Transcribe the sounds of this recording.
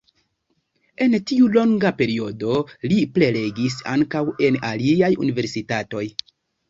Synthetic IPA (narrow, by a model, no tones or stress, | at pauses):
e̞ntiulo̞ŋɡape̞ɾio̞doliple̞le̞ɡisa̰ŋkawe̞naliajṵnive̞ɾsitato̞j